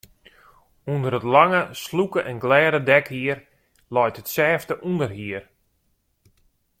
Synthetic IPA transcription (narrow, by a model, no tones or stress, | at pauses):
undəɾətlaŋəslukəʔɛnɡlɛːɾədɛkhiər | lɔjtətsɛːftəʔundərɦiər